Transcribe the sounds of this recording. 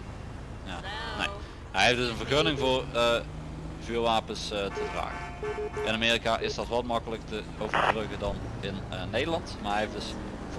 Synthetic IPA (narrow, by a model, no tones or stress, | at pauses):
jaːnḛ | ɦɛjɦefdɵsənvərχønɪŋvoːrə | vyːrʋaːpəstʰəvra̰ːɣə | ɪnameːrikaʔɪsd̥ɑtʋɑtmɑkələktə | owvərbrøɣədɑn | ɪnnejdəlɑntmarɦɛɦefdɵs